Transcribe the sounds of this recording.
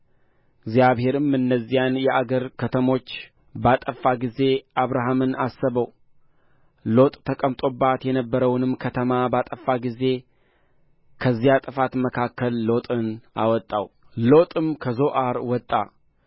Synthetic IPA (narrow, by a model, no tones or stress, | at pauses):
ɡzijaβhe̞ɾɨmɨnːəzːijanjɛʔaɡəɾkʰət̪ʰəmo̞t͡ʃː | bat̪ʼəfaɡize̞ʔaβɾaɦamɨnasːəβəw | lo̞t̪ʼt̪ʰəkʼəmt̪ʼo̞bːat̪jɛnəbːəɾəwnɨmkʰət̪ʰəmabat̪ʼəfːaɡize̞ | kʰəzːijat̪ʼɨfat̪məkʰakːəlːo̞t̪ʼɨna̰wɔt̪ʼːaw | lo̞t̪ʼɨmkʰəzo̞ʔaɾwɔt̪ʼːa̰